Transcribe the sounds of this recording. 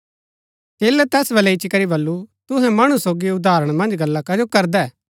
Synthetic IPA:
t͡ʃeːlɛt̪ɛːsbɐlɛɪt͡ʃikɐɾibɐlːut̪ʊɦɛ̃mɐɽ̃usoːɡiʊd̪aːɾəɽ̃mɐ̃nd͡ʒɡɐlːakɐd͡ʒokɐɾd̪ɛː

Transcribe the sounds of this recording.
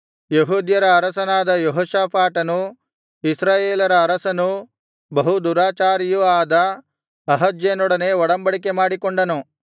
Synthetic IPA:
jeɦuːd̪jɐɾɐːɾɐsɐnaːd̪ɐjoɦoːʃaːpʰaːʈɐnu | isɾaːjeːlɐɾɐːɾɐsɐnu | bɐɦud̪uɾaːt͡ʃaːɾjuaːd̪ɐ | ɐɦɐd͡ʒjeːnɔɽɐneːʋɔɽɐmbɐɽik̬emaːɽikoɳɖɐnu

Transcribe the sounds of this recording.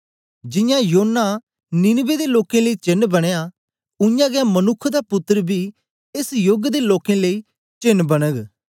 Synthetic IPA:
d͡ʒɪ̃jãjonːa | nɪnbed̪eloːkẽləiːt͡ʃɪnbɐɽ̃eja | ʊjãːɡɛmənʊkʰːd̪apʊt̪ːəɾbʱiː | ɪsjoɡd̪eloːkẽləiː | t͡ʃɪnːbəɽ̃əɡ

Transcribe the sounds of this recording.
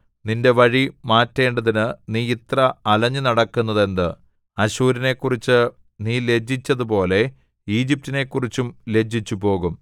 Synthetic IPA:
ninde̞ʋɐɻimaːtːe̞ːɳɖɐðinɨniːit̪rɐɐlɐɲːɨnɐɽɐkːunːɐðe̞nd̪ɨ | ɐɕuːɾine̞kːurit͡ɕːɨ | niːle̞d͡ʑːit͡ɕːɐðupo̞ːle̞ | iːd͡ʑip̚tine̞kːurit͡ɕːumle̞d͡ʑːit͡ɕːupo̞ːɣum

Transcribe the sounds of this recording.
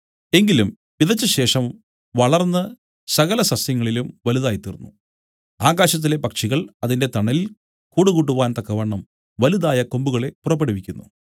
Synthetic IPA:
e̞ŋɡilum | ʋiðɐt͡ɕːɐɕe̞ːʂɐm | ʋɐɭɐrnːɨ | sɐɣɐlɐsɐsjɐŋːɐɭilumʋɐliðaːjit̪ːirunːu | aːɣaːɕɐt̪̬ːile̞pɐkʂiɣɐɭɐðinde̞t̪ɐɳːɐlil | kuːɽuɣuʈ̬ːuʋaːnt̪ɐkːɐʋɐɳːɐm | ʋɐliðaːjɐko̞mbuɣɐɭe̞purɐp̬ːeɽuʋikʲːunːṵ

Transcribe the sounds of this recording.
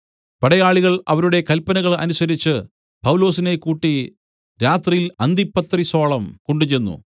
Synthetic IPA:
pɐɽɐjaːɭiɣɐɭɐ̰ʋɐɾuɽe̞kɐlpɐnɐɣɐɭɐ̰nusɐɾit͡ɕːɨ | pɐwlo̞ːsine̞kuːʈːi | ɾaːt̪rijilɐnd̪ipːɐt̪riso̞ːɭɐmkoɳɖut͡ɕenːṵ

